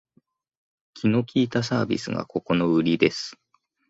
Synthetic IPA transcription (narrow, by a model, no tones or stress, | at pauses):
kʲino̞kʲiːt̪asaːbʲḭsɨ̰ɡa̰ko̞ko̞no̞ɯ̟ɾʲid̪e̞sɨ̥